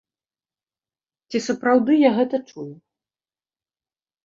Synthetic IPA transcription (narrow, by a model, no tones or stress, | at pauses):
t͡sʲisɐpɾawd̪ɨjaɣɛt̪ɐt͡ʂuju